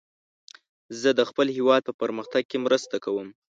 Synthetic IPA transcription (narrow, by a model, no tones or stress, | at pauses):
zəd̪əxpəlhewɑd̪̚pəpəɾməxt̪aɡ̚kemɾəst̪akawəm